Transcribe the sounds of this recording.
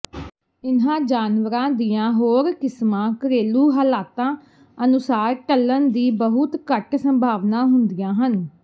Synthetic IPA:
ɪnãːd͡ʒaːnʋəɾãːd̪iːãːɦoːɾkɪsmãːkəɾeːluːɦəːlaːt̪ãː | ənʊsaːɾʈəlːənd̪iːbəɦʊt̪kəʈsəmbʱaːʋnãːɦʊnd̪ijãːɦən

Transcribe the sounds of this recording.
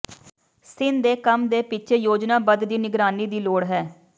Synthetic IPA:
sɪnd̪eːkəmd̪eːpɪt͡ʃʰeːjoːd͡ʒnaːbəd̪d̪iːnɪɡɾaːniːd̪iːloːɽɦɛː

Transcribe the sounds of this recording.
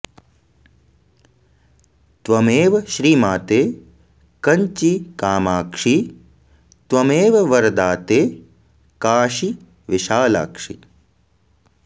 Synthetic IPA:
t̪ʋɐmeːʋɐʃɾiːmaːt̪eː | kɐɲt͡ʃikaːmaːkʂi | t̪ʋɐmeːʋɐʋɐɾd̪aːt̪eː | kaːʃi | ʋɪʃaːla̰ːkʂḭ

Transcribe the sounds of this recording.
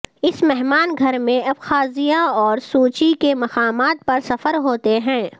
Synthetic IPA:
ɪsmɛɦmaːnɡʱɐɾmẽɐbxaːzijãɔːɾsuːt͡ʃikemɐqaːmaːt̪̚pɐɾsɐfəɾɦoːt̪eɦɛ̃ː

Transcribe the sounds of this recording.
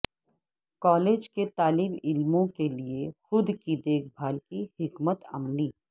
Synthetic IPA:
kɔːleːd͡ʒket̪aːlɪmɪlmõkeliexʊd̪kid̪eːkʰbʱaːlkihɪkmət̪ɐ̰mliː

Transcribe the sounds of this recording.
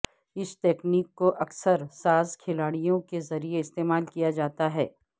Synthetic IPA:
ɪsʈ̪ɛːkniːkːoʔɐksəɾsaːzkʰɪlaːɽijõkezɐɾieɪst̪eːmaːlkijad͡ʒaːt̪aɦɛ̰ː

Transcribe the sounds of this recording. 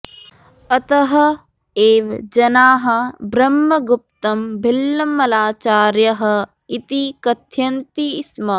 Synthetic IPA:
ɐt̪ɐɦɐ̆ | eːʋd͡ʒɐnaːɦɐ̆bɾɐmːɐɡup̚t̪ɐmbʱilːɐmːɐlaːt͡ʃaːɾjɐɦɐ̆ | it̪ikɐt̪ʰjɐnt̪ismɐ

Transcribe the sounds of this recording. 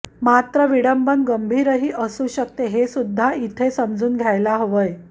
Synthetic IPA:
mat̪ɾəʋiɽəmbənɡəmbʱiːɾəɦiːʔəsuɕəkt̪eɦesud̪ʱːait̪ʰesəmd͡zuːnɡʱjajlaɦoʋəj

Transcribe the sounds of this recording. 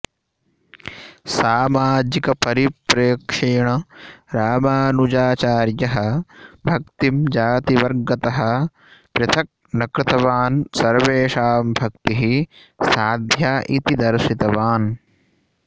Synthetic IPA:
saːmaːd͡ʒikɐpɐɾipɾeːkʂeːɳɐɾaːmaːnud͡ʒaːt͡ʃaːɾjɐɦɐ̆bʱɐkt̪imd͡ʒaːt̪iʋɐɾɡɐt̪ɐɦɐ̆ | pɾɐt̪ʰɐk̚nɐkɾɪt̪ɐʋaːnsɐɾʋeːʂaːmbʱɐk̚t̪iɦi | saːd̪ʱjaːʔit̪id̪ɐɾsit̪ɐʋaːn

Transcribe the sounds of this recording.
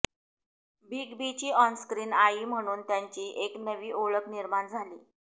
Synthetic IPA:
biɡbit͡ɕiːɔnskɾiːnaiːm̤əɽ̃uːnt̪jaɲt͡ɕiːʔeknəʋiːʔoɭəkniɾmaɳd͡zʱaliː

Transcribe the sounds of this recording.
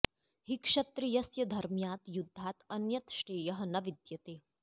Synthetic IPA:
hikʂɐt̪ɾijɐsjɐd̪ʱɐɾmjaːt̪jud̪ʱːaːt̪ɐnjɐt̪ʃʈeːjɐɦɐnɐʋid̪jɐt̪eː

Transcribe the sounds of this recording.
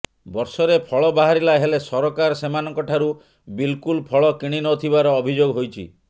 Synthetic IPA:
bɔɾsɔɾepʰɔɭɔbaɦaɾilaɦelesɔɾɔkaɾɔsemanɔŋkɔʈʰaɾu | bilkulpʰɔɭɔkiɽ̃inɔt̪ʰibaɾɔːbʱid͡ʒoɡɔɦojt͡ʃʰḭ

